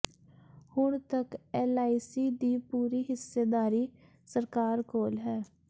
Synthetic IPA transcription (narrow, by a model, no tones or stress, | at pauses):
hʊɳt̪əkɛːlaːisiːd̪iːpuːɾiːɦɪsːeːd̪aːɾiː | səɾkaːɾkoːlɦɛː